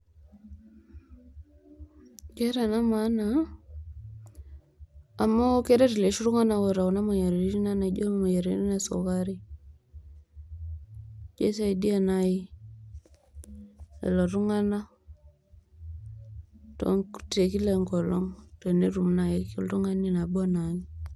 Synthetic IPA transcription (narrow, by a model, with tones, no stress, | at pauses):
ke˦ɾa˨na˦ma˦na˨ | a˨mːa˦ke˦ɾa˦ti˨le˨ʃu˦ɾu˦ŋa˦na˨wo˨ɾa˨wu˨na˦ma˨ja˨ɾe˨˦ɾi˦na˦na˨d͡ʒo˦m˨ma˨ja˨ɾi˨˦ni˦na˨so̰˨ka˦ɾi˦ | d͡ʒe˦sa˦i˨di˦a˦˨na˦ji˦ | ḛ˨lo˨ɾu˦ŋa˦na˦ | to̰˨˦ŋkte˨ki˦le˨ŋko˨lo˦ŋto˨ne˦ɾu˨mna˨je˦ko˦lɾu˦ŋa˦ni˦˨na˨ba˦na˨ni˦